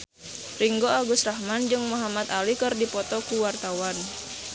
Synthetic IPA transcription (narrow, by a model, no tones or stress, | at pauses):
riŋɡoaɡusrahmand͡ʒɨŋmuɦamat̪alikɨrdipɔt̪ɔkuwart̪awan